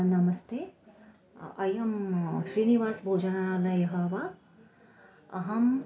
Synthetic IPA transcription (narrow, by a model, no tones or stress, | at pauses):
nɐmɐst̪ʰeː | ɐjɐmʃɾiniʋaːsbʱoːd͡ʒɐnaːɐlɐjɐɦɐʋa | ɐɦɐm